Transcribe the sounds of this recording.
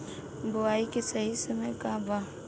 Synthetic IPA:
bʊaːikesɐɦisɐmekaba

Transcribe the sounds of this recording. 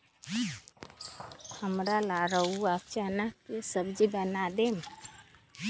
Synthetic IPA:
həmɾalaɾəuakt͡ʃanəkːesəbd͡ʒibənad̪em

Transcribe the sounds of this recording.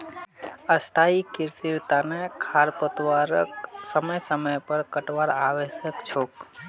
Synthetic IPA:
əst̪ʰaikɪɾsiɾt̪anekʰaɾpot̪ʋaɾəksəməjsəməjpəɾkəʈʋaɾaʋeʃəkt͡ʃʰok

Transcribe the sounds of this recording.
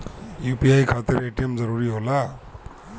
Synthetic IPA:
jupiajkʰat̪iɾeʈijemd͡zʌɾuɾiɦola

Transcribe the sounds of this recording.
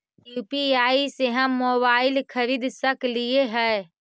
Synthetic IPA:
jupiaiseɦə̃moβailkʰəɾid̪ʱsəklijeɦə

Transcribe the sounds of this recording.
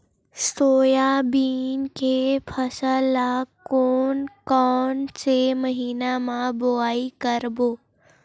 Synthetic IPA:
st̪oːjabiːnkepʰəsəlːakoːnkɔːnseməɦiːnamãboaːikəɾboː

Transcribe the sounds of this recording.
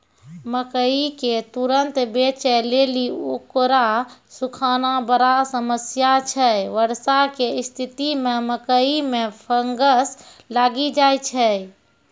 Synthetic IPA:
məkəiket̪uɾənt̪bet͡ʃɛleliokɾasukʰanabəɾasəməsjat͡ʃʰɛʋəɾsakeist̪ʰit̪imeməkəimepʰəŋɡəslaːɡid͡ʒajt͡ʃʰɛ

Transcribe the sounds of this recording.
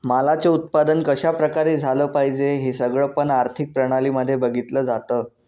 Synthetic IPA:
malat͡seut̪̚pad̪ənkəɕapɾəkaɾiːd͡zʱaləːpaɦid͡zeɦiːsəɡɭəːpəɳaɾt̪ʰik̚pɾəɽ̃aliːməd̪ʱːjebəɡʱit̪ləːd͡zat̪əː

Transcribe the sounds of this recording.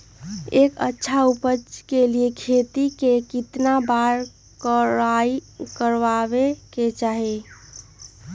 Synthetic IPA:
ekə̰tːʃʰaupət͡ʃkeliekʰet̪ikekit̪nabaɾ | kəɾaikəɾʋaβeket͡ʃaɦi

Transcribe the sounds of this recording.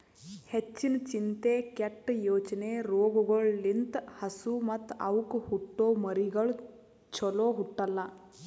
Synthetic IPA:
het͡ʃːint͡ʃint̪eːkeʈːjoːt͡ʃɐneːɾoːɡuɡɐɭlint̪hɐsumɐt̪ːɐ̰ʋukuhuʈːoːmɐɾiɡɐɭ | t͡ʃɔloːɦuʈːɐlːɐ

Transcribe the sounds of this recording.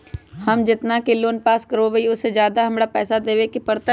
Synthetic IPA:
həmd͡ʒɪt̪nakeloːnpaːskəɾoʋeiʊsːed͡ʒjaːd̪aɦɐmɽapɛːsad̪eːʋekipəɾt̪ə

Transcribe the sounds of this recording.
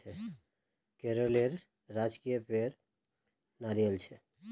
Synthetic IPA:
e | keɾoleɾː | ad͡ʒkijəpeɾ | naɾijəlt͡ʃʰe

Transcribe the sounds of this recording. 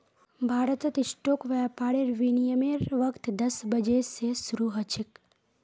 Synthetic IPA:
bʱaːɾət̪ət̪ɪʃʈokʋɛpaɽeɾʋinijəmeɾʋəkt̪d̪əsbəd͡ʒesesɾuɦət͡ʃʰik

